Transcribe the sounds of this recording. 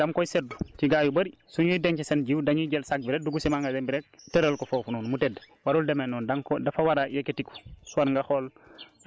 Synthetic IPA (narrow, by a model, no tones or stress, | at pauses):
d̥amkoiseduciɡaːjubɐɾisuɲuideŋt͡ʃesenɟiwdaŋiɟelsak̚biɾeduɡusimaŋɡadembiɾek̚teɾəlkofofununmuted | waɾuldemenɔːndaŋkodafawaɾajeketiku̥suwaɾŋɡaxol